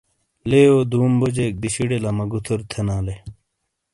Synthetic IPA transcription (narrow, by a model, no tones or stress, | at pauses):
leːoːd̪uːmbod͡ʑeːk̚d̪iɕiɽelɐmɐɡut̪ʰuɾt̪ʰenaːle